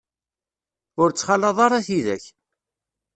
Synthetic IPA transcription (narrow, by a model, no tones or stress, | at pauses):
ʊɾt͡sːχɑlːɑðˤɑɾˤɑθiðæ̰ç